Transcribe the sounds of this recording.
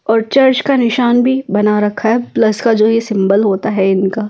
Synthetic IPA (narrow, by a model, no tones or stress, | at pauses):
ɔːɾt͡ʃɐɾt͡ʃkanɪʃaːnbʱibɐnaɾɐkʰaɦɛplɐskad͡ʒoːjesɪ̃mbəlɦoːt̪aɦɛɪnkaː